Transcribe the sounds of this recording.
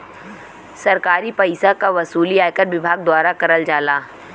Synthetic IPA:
sɐɾkaːɾipɐɪsakaʋɐsuːliaːjkəɾʋɪbʱaːɡ̚d̪waːɾakɐɾəld͡ʒaːlaː

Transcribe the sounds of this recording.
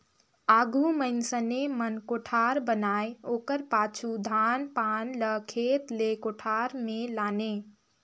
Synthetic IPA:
aːɡuməɪnsənemənkoʈʰaɾbənaːjoːkəɾpaːt͡ʃʰud̪ʱanpaːnləkʰeːt̪lekoʈʰaɾmelaːne

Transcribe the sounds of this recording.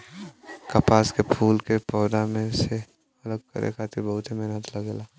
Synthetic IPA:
kɐpaːskepʰuːlkepɔːd̪amẽse | ɐləɡ̚kə̰ɾʔḛkʰaːt̪ʰibəɦʊt̪ɦimɪɦnət̪lɐɡeːlaː

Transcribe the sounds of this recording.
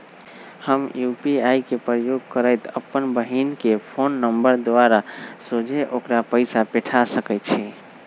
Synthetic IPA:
həmjupiajkepɾəjoɡ̚kəɾəɪt̪əpːənbəɦinkepʰonːəmbəɾd̪oaɾasod͡ʒeʔokɾapəɪsapeʈʰasəkəɪt̪t͡ʃʰi

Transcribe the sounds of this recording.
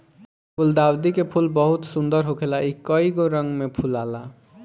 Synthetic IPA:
pʰuld̪awd̪ikepʰulbəɦut̪sund̪əɾɦokʰelaʔikəiɡoɾəŋɡmepʰulala

